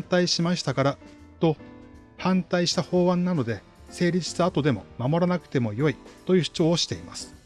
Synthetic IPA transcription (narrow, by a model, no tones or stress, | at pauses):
nt̪aiɕimaɕi̥t̪akaɾat̪o̞ | hãnt̪aiɕi̥t̪aho̞ːβãnːano̞d̪e̞ | se̞ːɾʲid͡ʑɨ̥t͡sɨat̪o̞d̪e̞mo̞̰mamo̞ɾanakɯ̟̥t̪e̞mo̞jo̞it̪o̞jɯ̟ːɕi̥t͡ɕo̞ːɕi̥t̪e̞imasɨ̥